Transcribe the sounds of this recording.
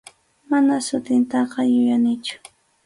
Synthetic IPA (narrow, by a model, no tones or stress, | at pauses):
manasʊt̪ɪnt̪ɑqɑjʊjanɪt͡ʃʊ̥